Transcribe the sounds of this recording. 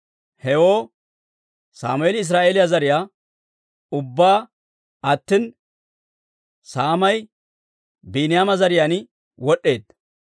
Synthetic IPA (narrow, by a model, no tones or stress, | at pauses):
hɛwoː | sa̰ːmʊeːlɪɪs̬ɾaːʔeːlɪjazɐɾɪjaː | ʊbːaː | ɐt̪ːɪn | saːmɐj | biːnɪjaːmɐzɐɾɪjaːn | wɔɗːe̞ːd̪